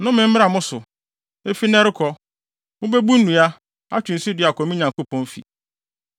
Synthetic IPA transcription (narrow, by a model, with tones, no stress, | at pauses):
nʊ̃˦mɪ̃˦m̩˦mɪ˦a˨mʊ̃˦sʊ˨ | e˦fi˦nɛ̃˦ɾɪ˦kʰɔ˦ | mʊ̃˦be˦bu˦n̩˦nũ˨a˦ | a˦t͡ɕᶣʊ˨n̩˨si˦dɪ˨a˨kʰɔ˨mɪ̃˦ɲã˨ŋko˦pʰɔ̃˦n˦fḭ˨